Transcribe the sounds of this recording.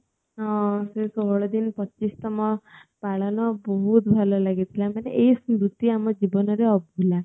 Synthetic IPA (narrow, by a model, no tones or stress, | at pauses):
ɔ̃sesɔɦɔɭɔd̪inpɔt͡ʃist̪ɔmɔpaɭɔnɔbɔɦut̪bʱalɔlaɡit̪ʰilamanḛʔeɦismɾut̪iamɔd͡ʒibɔnɔɾeɔbʱula